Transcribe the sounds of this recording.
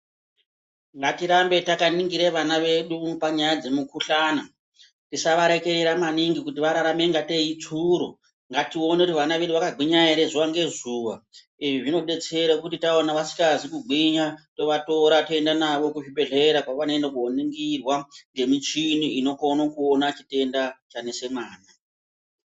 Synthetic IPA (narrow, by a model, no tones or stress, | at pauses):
ŋɡatiɾambe̞takaniŋɡiɾeʋanaʋe̞ɗupaɲajad͡ze̞mukuɬaːna | tisaʋaɾe̞ke̞ɾeɾamaniŋɡikutiʋaɾaɾame̞ŋɡate̞it͡suɾo̰ | ŋɡatio̞nekutiʋanaʋe̞ɗuʋakaɡiɲaeɾezuʋaŋɡe̞zuːʋa | iʐiʐino̞ɓe̞t͡se̞ɾakutitaonaʋasi̥kazikuɡ͡bʱiɲato̞ʋato̞ɾato̞e̞ndanaʋo̞kuʐiɓe̞ɮe̞ɾakwaʋanendakuɦoneŋɡirwaŋɡe̞mit͡ʃiniino̞konokuonat͡ʃi̥te̞ndat͡ʃane̞se̞maːna